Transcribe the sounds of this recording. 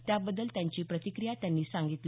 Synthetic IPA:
t̪jabəd̪ːəlt̪jaɲt͡ɕiːpɾət̪ikɾijat̪janːiːsãŋɡit̪l

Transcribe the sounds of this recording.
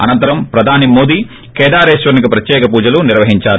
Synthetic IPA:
ɐ̰nɐnt̪ɐɾɐmpɾɐd̪ʱaːnimo̞ːd̪iː | kɛːd̪aːɾɛːʃʋɐɾnikipɾɐt̪jɛːkɐpuːd͡ʒɐluniɾʋɐɦiɲt͡ʃaːɾu

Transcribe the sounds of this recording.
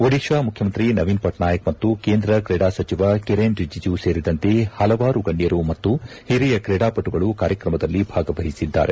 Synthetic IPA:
oɽikʂaːmukʰjɐmɐnt̪ɾinɐʋiːnpɐʈɳaːjɐkmɐt̪ːukeːnd̪ɾɐkɾɛːɽaːsɐt͡ʃiʋakiɾeːnɾid͡ʒid͡ʒuseːɾid̪ɐnt̪e̞hɐlɐʋaːɾuɡɐɳɖijɐɾumɐt̪ːuhiɾijɐkɾeːɽaːpɐʈːuɡɐɭukaːɾjɐkɾɐmɐd̪ɐlːibʱaːɡɐbɐɦisid̪ːa̰ːɾe̞

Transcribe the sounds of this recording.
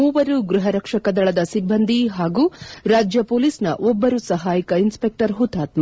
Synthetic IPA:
uːʋɐɾuɡɾuɦɐɾɐkʂɐkɐd̪ɐɭɐd̪ɐsibʱɐnd̪ʱiɦaːɡuːɾaːd͡ʒjɐpoːliːsnɐ̰ʔɔbːɐɾusɐɦaːjikɐinspek̚ʈɐɾɦut̪aːt̪ma

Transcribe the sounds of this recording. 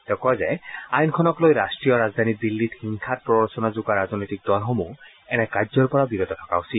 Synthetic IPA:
tɛkɔazɛajnkʰɔnɔklojɹastɹijɔɹazd̪ʱanidilːithiŋkʰat̚pɹɔɔɹsɔnazuɡaɹaznojtik̚dɔlɦɔmu | ɛnɛkazɔɹpɔɹabiɹɔtɔtʰɔ̥kausit

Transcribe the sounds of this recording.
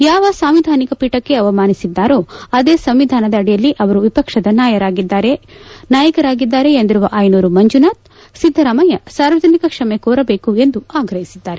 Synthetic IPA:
jaːʋɐsaːmʋid̪ʱaːnikɐpiːʈɐkːe̞ɐʋɐmaːnisid̪ːaːɾo̞ːɐd̪eːsɐmʋid̪ʱaːnɐd̪ɐːɽijɐlːiʔɐʋɐɾuʋipɐkʂɐd̪ɐnaːjɐɾaːɡid̪ːaːɾenaːjɐkɐɾaːɡid̪ːaːɾe̞end̪iɾuʋɐʔajnuːɾumɐɲd͡ʒunaːt̪̚ | sid̪ʱːɐɾaːmɐjɐsaːɾʋɐd͡ʒɐnikɐkʂɐmekoːɾɐbeːkue̞nd̪uaːɡɾɐɦisid̪ːaːɾe

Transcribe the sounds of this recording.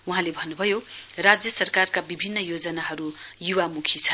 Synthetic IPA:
uɦãlebʱʌnːubʱʌjorad͡zjʌsʌrkarkabibʱinːʌjod͡zʌnaɦʌɾujuwamukʰit͡sʰʌ

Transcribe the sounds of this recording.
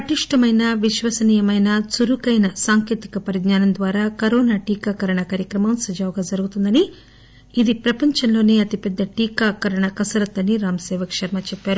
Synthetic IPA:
pɐʈiʂʈɐmɐjnɐʋiʃʋɐsɐniːjɐmɐjnɐt͡suɾukɐjnɐsaːŋkeːt̪i̥kɐpɐɾiɡɲaːnɐnd̪ʋaːɾaːkɐɾɔːnaːʈiːkaːkɐɾɐɳɐkaːɾjɐkɾɐmɐmsɐd͡ʒaːwɡaːd͡ʒɐɾuɡut̪und̪ɐniː | d̪ipɾɐpɐɲt͡ʃɐnlo̞ːneːɐt̪ipɛd̪ːɐʈiːkaːkɐɾɐɳɐkɐsɐɾɐt̪ːɐniɾaːmɐsɛːʋɐkʂɐɾmɐt͡ʃɛpːaːɾu

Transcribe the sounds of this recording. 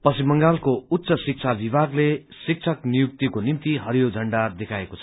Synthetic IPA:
pʌsimʌŋɡalkout̪ːsʌsik̚t͡sʰabibʱaɡlesik̚t͡sʰʌknijuk̚t̪ikonimt̪iɦʌɾijod͡zʱʌɳɖad̪ekʰaekot͡sʰʌ̥

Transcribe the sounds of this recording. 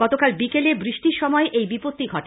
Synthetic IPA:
ɔt̪okalbikelebɾiʃʈiɾʃɔmɔeʔejbipot̪ːiɡʱɔʈe

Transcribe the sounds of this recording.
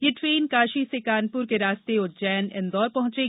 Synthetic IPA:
jeʈɾeːnkaːʃisekaːnpʊɾkeɾaːst̪eʊd͡ʒɛːnɪ̰̃nd̪ɔːɾpɐɦʊ̃t͡ʃeː

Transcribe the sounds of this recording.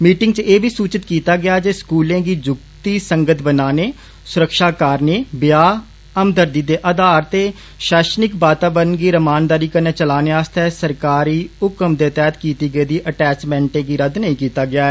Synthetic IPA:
miːʈɪ̃ŋɡt͡ʃeːbʱiːsuːt͡ʃɪt̪kiːt̪aːɡɪaːd͡ʒeːskuːlẽːɡiːd͡ʒʊkt̪iːsəŋɡət̪ʰbənaːneː | sʊɾəkʃaːkaːɾneːbjaː | əmd̪əɾd̪iːd̪eːʔəd̪aːɾt̪eː | ʃɛːʃnɪkbaːt̪aːbəɾənɡiːɾəmaːnd̪aːɾiːkəɾneːt͡ʃəlaːneːaːst̪ɛːsəɾkaːɾiːʊkəmd̪eːt̪ɛːt̪kiːt̪iːɡəiːd̪iːʔəʈɛːt͡ʃmɛ̃ːɳʈẽːɡiːɾəd̪nəĩːkiːt̪aːɡɪaːɛː

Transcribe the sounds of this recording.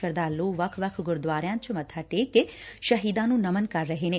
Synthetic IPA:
əɾd̪aːɾluʋɐkʰʋɐkʰɡʊɾd̪ʋaːɾjãːnt͡ʃʰəmɐt̪ʰaʈekeʃɐɦiːd̪anũnɐmənkaɾːəɦeːne

